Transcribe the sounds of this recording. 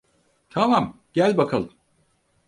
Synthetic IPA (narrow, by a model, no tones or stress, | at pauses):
t̪ʰamam | ɟ̥ælʲbakʰalˠɯm